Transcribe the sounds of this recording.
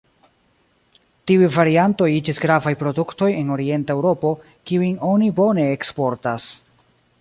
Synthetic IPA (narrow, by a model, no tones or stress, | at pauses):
tiujvaɾianto̞jid͡ʒisɡɾavajpɾo̞dukto̞je̞no̞ɾie̞ntae̞wɾo̞po̞ | kiujno̞nibo̞ne̞ːkspo̞ɾtas